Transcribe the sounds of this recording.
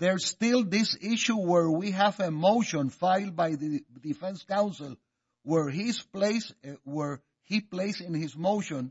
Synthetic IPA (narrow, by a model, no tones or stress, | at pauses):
ðɛɹstɪlˠðɪsɪʃuwɛɹwiɦævəmoʊʃɔ̃nfaɪlˠd̪̚bajðɨd̪ifɛ̃nskãw̃nsɪlˠ | wɛɹɦispleswɛɹ | hipleɪsɪ̃nhɪsmoʊʃɔ̃n